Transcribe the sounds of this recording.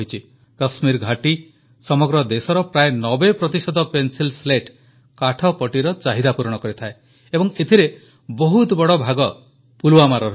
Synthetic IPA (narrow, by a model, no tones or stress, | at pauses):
it͡ʃʰi | kəsmiɾɡʱaʈi | sɔmɔɡɾɔd̪esɔɾɔpɾaenɔbepɾɔt̪isɔd̪ʱɔpensilsleʈ | kaʈʰɔpɔʈiɾɔt͡ʃaɦid̪apuɾɔɽ̃ɔkɔɾit̪ʰae | ebɔŋet̪ʰiɾe | bɔɦut̪bɔɽɔbʱaɡɔ | puluwamaɾɔɾ